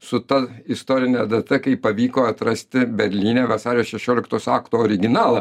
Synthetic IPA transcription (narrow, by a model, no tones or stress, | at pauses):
sʊt̪ɐɪst̪oːɾʲɪnʲɛd̪ɐt̪ɐkɐɪpɐʋʲiːkoːɐt̪ɾɐsʲt̪ʲɪbʲɛɾʲlʲiːnʲeːʋɐsɑːɾʲejoːsʃʲɛʃʲoːlʲɪkt̪oːsɑːkt̪oːoːɾʲɪɡʲɪnɑːlˠɐ